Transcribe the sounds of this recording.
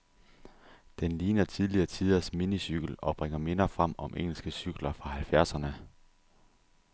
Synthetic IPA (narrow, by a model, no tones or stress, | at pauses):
d̥enliːnɐt͡sʰið̞ˠliɐːt͡sʰið̞ˠɐsminisyɡ̥əlɒ̽b̥ʁeŋ̰ɐme̝nɐfʁɑm̰ɒ̽mʔeŋ̰l̩sɡ̥əsyɡ̥lɐfʁɑ̈hælfjæɐsɐnə